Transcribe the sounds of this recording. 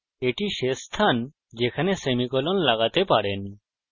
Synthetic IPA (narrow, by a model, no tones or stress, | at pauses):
eʈiʃest̪ʰan | d͡ʒekʰanesemikɔlɔnlaɡat̪epaɾen